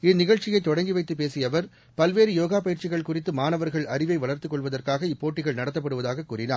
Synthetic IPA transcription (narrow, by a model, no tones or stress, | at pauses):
ɪnɪɣɐɭt͡ʃɪjɐɪt̪ːɔɽɐŋɡɪʋɐɪt̪ːɯpeːsɪjɐʋɐɾ | pɐlʋeːɾɯjoːɣaːpɐjɪɾt͡ʃɪɣɐɭkʊrɪt̪ːɯmaːnɐʋɐɾɣɐɭɐrɪʋɐɪʋɐɭɐɾt̪ɯkːɔɭʋɐðɐrkaːɣɐɪpːoːʈːɪɣɐɭnɐɽɐt̪ːɐpːɐɽɯʋɐðaːɣɐkːuːrɪnaːɾ